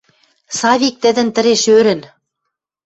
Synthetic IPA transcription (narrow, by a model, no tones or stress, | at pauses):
sɑβik̚t̪ɘ̆d̪ɘ̆nt̪ɘ̆ɾeʃøɾɘ̆n